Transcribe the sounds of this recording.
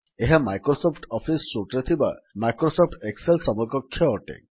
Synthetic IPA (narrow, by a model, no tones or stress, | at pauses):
eɦamajkɾosɔpʰʈɔpʰisːuʈɾet̪ʰiba̰majkɾosɔpʰʈekselsɔmɔkɔkʰːjɔːʈḛ